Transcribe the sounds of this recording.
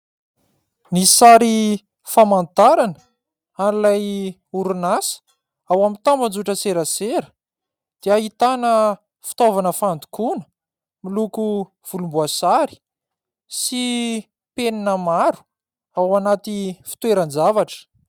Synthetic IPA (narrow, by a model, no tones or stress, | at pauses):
nisaɾi | famant̪aɾanə | anilaj | uɾunasə̥ | awamit̪amband͡zuʈ͡ʂəseɾəseɾə̥ | d̪̥eaɦit̪anə | fi̥t̪ovanəfand̪u̥kunə̥ | miluku | v̥ulumbuasaɾi̥ | si | peninəmaɾu̥ | awanat̪ifi̥t̪weɾand͡zavaʈ͡ʂə̥